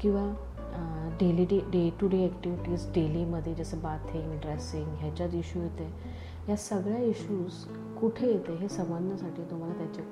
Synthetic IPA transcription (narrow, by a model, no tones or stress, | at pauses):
kĩw̃ʋa | ɖeliɖeɖeʈuɖiɛkʈiʋiʈiːsɖeliməd̪ʱːjed͡ʑəsəːbat̪ʰiŋɡɖɾesiŋɡɦjat͡ɕat͡siɕuːɦot̪e | jasəɡɭjaiɕuːs | kuʈʰejet̪eɦesəmbənd̪ʱəsaʈʰiːt̪um̤alat̪jat͡ɕa